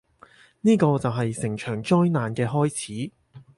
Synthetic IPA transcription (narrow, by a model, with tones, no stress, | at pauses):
niː˥kɔː˧t͡sɐ˨wɦɐ˨jsɪ˨˩ŋt͡ʃʰœː˨˩ŋt͡ʃɔː˥jnaː˨nkɛː˧ɦɔː˥jt͡sʰiː˨˥